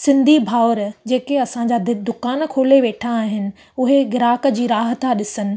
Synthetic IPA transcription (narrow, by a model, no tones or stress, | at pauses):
sɪ̃nd̪ʱibʱaːʊɾd͡ʑeːkeɐsãɲd͡ʑad̪ɪd̪ʊkaːnkʰoːleʋeːʈʰaːɦɪnɪ̆ | ʊɦeɡɪɾaːkə̆d͡ʑiːɾaːɦət̪aɗɪsənɪ̆